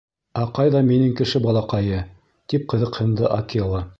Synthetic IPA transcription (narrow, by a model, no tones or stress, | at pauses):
æqɑjðɑminɘŋkɘ̆ʃɘbɑlˠɑqɑjɤ | t̪ip̚qɤ̆ðɤ̆qhɤ̆nd̪ɤʔakʲĭlˠɤ